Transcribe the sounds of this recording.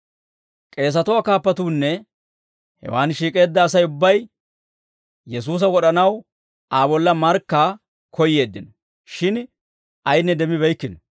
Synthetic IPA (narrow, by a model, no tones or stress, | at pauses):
kʼe̞ːs̬ɐt̪ʊwakaːpːɐt̪uːnːɛ | hɛ̰waːnʃiːkʼe̞ːd̪ːɐːsɐjʊbːɐj | jɛs̬uːs̬ɐwɔɗɐnɐw | aːbɔlːɐmɐɾkːaː | kʰɔjːe̞ːd̪ːɪn | ʃɪn | ʔɐjnːɛd̪ɛmɪβɛjkːɪnɔ